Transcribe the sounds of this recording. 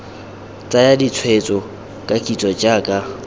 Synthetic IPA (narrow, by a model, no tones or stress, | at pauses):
t͡sʼajadit͡sʰwet͡sʼɔ | kʼakʼit͡sʼɔd͡ʒaːkʼa